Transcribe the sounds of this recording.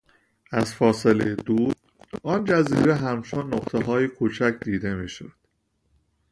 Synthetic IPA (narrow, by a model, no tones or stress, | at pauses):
ʔæzfɒːselejed̪uːɾ | ɒːnd͡ʒæziːɾeɦæmt͡ʃʰonːoɣt̪ʰeɦɒːjekʰot͡ʃʰæcʰd̪iːd̪e̞miːʃod̪̥